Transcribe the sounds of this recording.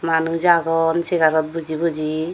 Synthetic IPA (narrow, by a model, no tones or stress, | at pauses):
manud͡ʒaɡɔnseɡaɾɔt̪̚bud͡ʒibud͡ʒi